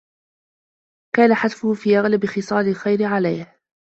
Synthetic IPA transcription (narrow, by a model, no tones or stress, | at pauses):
kaːnaħad̪fʊhfiːʔaɣlabɪxɨsˤɑːlɪlxajɾɪʕalajh